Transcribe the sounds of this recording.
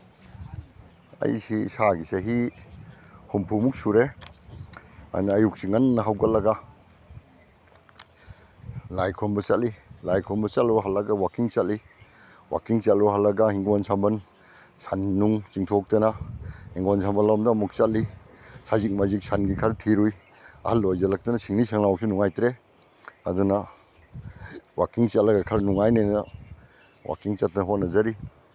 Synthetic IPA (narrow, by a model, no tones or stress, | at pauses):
ɐ̰jsisaɡiseɦi | humpʰumuk̚suɾe | a̰naːjuk̚siŋannaɦawɡalɐɡa | lajkʰɔmbɐsat̚lilajkʰɔmbɐsatlɔɦalːaɡawakiŋt͡ʃat̚li | wa̰kiŋt͡ʃatlɔɦalːaɡahiŋwansambɐn | sanːuŋt͡ʃiŋtʰɔk̚tanaiŋɡwans̬ʰambalawmdamuk̚t͡ʃatli | sazik̚mazik̚sanɡikʰaɾtʰiɾuj | a̰halːojzalak̚tanasiŋnisaŋlawsunuŋajtɾe | aduna | wakiŋt͡ʃatlaɡakʰaɾnuŋajnajna | wa̰kiŋt͡ʃat̚ʰaɦɔt̚nazaɾi